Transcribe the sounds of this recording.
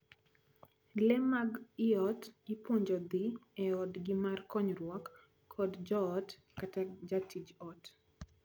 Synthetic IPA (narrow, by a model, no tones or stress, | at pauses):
lɛmaɡɪɔtɪpwoɲd͡ʒɔd̪iɛɔdɡɪmarkɔɲɾwɔkʰː | ɔdd͡ʒɔːt | katad͡ʒatʰid͡ʒɔt